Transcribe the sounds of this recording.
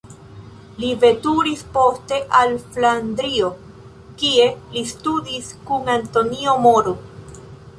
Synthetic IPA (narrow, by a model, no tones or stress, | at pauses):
live̞tuɾispo̞ste̞ʔalflandɾio̞ | kie̞listudiskuŋanto̞nio̞moɾu